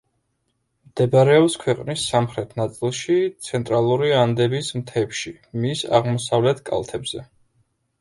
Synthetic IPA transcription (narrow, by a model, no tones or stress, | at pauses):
md̪̥ɛbɾɛɔpskʰwɛqʼnisːamχɾɛt̪ʰnat̪sʼilˠʃit̪sʰɛnt̪ʼɾalˠuɾiand̪ɛbismt̪ʰɛpʃi | misa̰ʁmɔsavlɛt̪ʰkʼa̰lˠt̪ʰɛbz̥ɛ̰